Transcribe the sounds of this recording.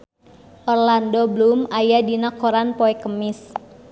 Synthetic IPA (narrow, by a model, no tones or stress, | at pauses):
ʔɔrlandɔblumajadinakoɾanpɔɛkəmɪs